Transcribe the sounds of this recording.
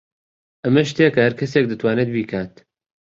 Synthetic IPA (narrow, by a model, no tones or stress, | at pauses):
ʔɐmɐʃt̪ekɐhɐɾkʰɐseːk̚d̪ɨt̪ʰwaːned̪̚biːkʰaːt̪